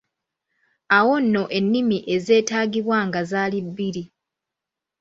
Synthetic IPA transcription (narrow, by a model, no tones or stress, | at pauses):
awo̞nːo̞ʔe̞nːimiʔe̞ze̞ːtaːɡiβwaŋɡazaːlibːiɾi